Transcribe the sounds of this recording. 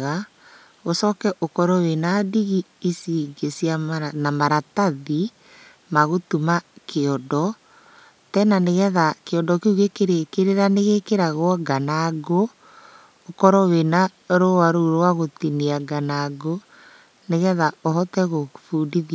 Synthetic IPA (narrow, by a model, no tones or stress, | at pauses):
ɣa | osɔkɛʔokɔɾɔwenadiɣi | isiɡesianamaɾataði | maɣotumakʰeɔndɔ | tɛnaneɣɛðakeɔndɔkeuɣekeɾekeɾeɾaneɣekeɾaɣwɔɡanaɡoː | kɔɾɔwenaɾowaɾoɾowaɣotiniaɡanaɡo | neɣɛðaoɦɔtɛɣofuːdiði